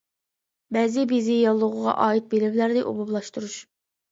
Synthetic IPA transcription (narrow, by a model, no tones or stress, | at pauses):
bɛzɪbizɪjɑlˠːʊʁʊʁɑ̰ʔɑːit̪̚belɪblæɾnɪʔo̰bublˠɑʃt̪uɾuʃ